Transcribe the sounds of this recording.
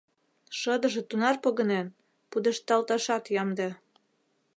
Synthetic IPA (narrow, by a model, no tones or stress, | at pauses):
ʃɤd̪ɤ̆ʒĕt̪unɑrpoɣɤ̆nen | pud̪ĕʃt̪ːɑlt̪ɑʃɑt̪jɑmd̪e